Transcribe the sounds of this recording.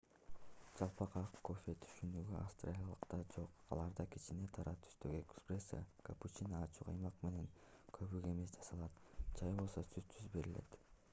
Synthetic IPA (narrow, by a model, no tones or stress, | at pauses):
d͡ʒɑlˠpɑqɑqkʰːo̞fʲet̪ʰy̥ʃynyɡyʔafst̪ra̰lʲijɑlˠɯqt̪ɑd͡ʒo̞qɑ̰lˠɑɾd̪ɑkit͡ʃine̞t̪ʰɑɾɑt̪ʰy̥st̪øɡekspresə̰kʰaput͡ʃinɑːt͡ʃuqɑjmɑqme̞ne̞ŋ | kʰøβyɡe̞me̞sd͡ʒɑsɑlˠɑt̪d͡ʒɑjbo̞lˠso̞syt̪t̪yzbe̞ɾile̞̰t̪